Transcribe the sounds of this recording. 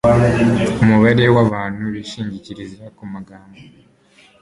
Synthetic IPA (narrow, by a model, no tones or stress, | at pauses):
omuβaɾewaβaːnuβiʃiːɲɟiciɾizakumaɡaːmba